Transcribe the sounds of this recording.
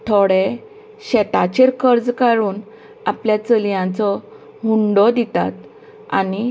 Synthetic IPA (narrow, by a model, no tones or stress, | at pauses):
t̪ʰoɽe | ɕɛt̪at͡ɕeɾkəɾd͡zkaɾuːn | apljat͡səlijãt͡sɔ | ɦuɳɖɔd̪it̪a̰t̪ | a̰ni